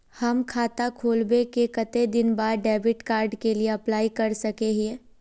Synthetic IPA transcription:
hɐmkʰaːt̪akʰoːlbekekɐt̪ed̪ɪnbaːɾɖɛːbɪʈkaːɾɖkelieɐplaːikɐɾsɐkeɦe

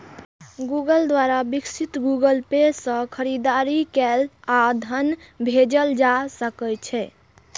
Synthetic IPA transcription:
ɡuɡəld̪waɾabiksit̪ɡuɡəlpesə̃kʰəɾid̪aɾikɛlad̪ʱənbʱed͡ʒəld͡ʒasəkət͡ʃʰɛ

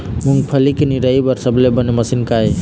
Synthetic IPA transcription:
muŋɡpʰəlikeniɾəibəɾsəblebəneməsinkaj

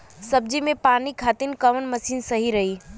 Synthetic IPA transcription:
sɐbd͡ʒimẽpaːnikʰaːt̪ɪnkɐʋənmɐsiːnsɐɦiɾɐɦiː

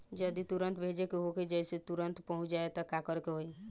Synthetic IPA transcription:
d͡ʒəd̪it̪uɾənt̪bʱed͡ʒekeɦoked͡ʒɛjset̪uɾənt̪pəɦʊ̃t͡ʃd͡ʒaet̪ɔkakəɾkeɦoi

